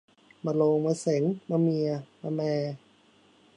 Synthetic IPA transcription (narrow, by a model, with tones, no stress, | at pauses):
ma˧loː˧ŋma˧se˩˦ŋma˧mi˧ɐma˧mɛː˧